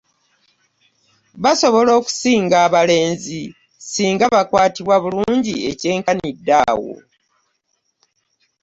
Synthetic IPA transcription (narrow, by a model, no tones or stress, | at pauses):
βaso̞βo̞lo̞ːku̥siːŋɡaːβale̞ːnzi | siːŋɡaβakwaːtiβwaβuluːɲɟie̞̰ce̞ːŋkanidːa̰ːwo̞̰